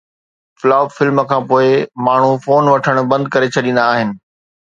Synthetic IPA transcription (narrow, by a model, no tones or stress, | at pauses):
flaːʊbfɪlmkʰãːpoːɪmaːɳ̤ufoːnʋɐʈʰəɽ̃bɐ̃nd̪̚kɐɾet͡ɕʰɐɗĩːn̆d̪aːɦɪnɪ̆